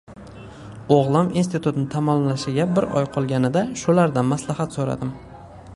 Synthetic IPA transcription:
oʁlˠɪminst̪ɪt̪ʰut̪nɪt̪ʰamɒmlaʃɪɡʲabɪɾʔɒ̰jqʰɒlˠɡʲanɪd̪aʃʊlaɾd̪anmaslahat̪soɾa̰d̪ɪm

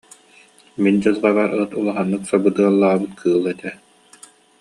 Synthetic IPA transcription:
mind͡ʑɯzʁabaɾɯt̪ulˠaɦanːɯksabud̪ɯɐlˠːaːbɯt̪kʰɯːlˠɛt̪ɛ

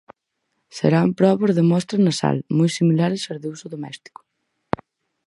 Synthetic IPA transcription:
sḛɾampɾɔβoɾðemɔst̪ɾɐnɐsa̰lmujsimilaɾɪsazðeusʊðomɛ̰st̪i̥kʊ̥

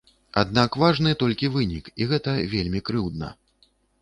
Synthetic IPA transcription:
a̰d̪nakvaʐnɨt̪ɔlʲkʲivɨnʲikiɣɛt̪ɐvʲelʲmʲikɾɨwd̪̚nɐ̰

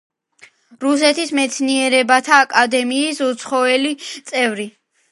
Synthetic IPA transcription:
ɾusɛt̪ʰismɛt̪sʰniɛɾɛbat̪ʰaːkʼad̪ɛmiːsut̪sʰχɔɛlit̪sʼɛvɾi

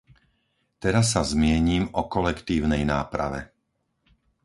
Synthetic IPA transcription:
t̪ɛɾas̬ːazmɪɛɲiːmɔkɔlɛkt̪iːʊnɛjnaːpɾa̰ʋɛ̰

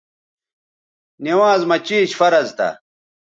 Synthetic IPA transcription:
niwaːzmɐt͡ɕiːɕfɐɾɐzt̪ɐ̰

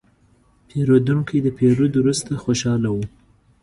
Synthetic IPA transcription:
pʰeɾod̪uŋkijd̪əpeɾod̪wɾust̪axoʃɑlawu

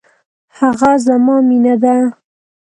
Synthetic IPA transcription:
haɣazamɑminad̪a

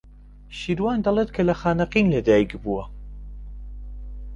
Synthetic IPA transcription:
ʃiːɾwaːnd̪ɐlˠeːt̪̚kʰɐlɐxaːnɐqiːnlɐd̪aːjikbuwɐ

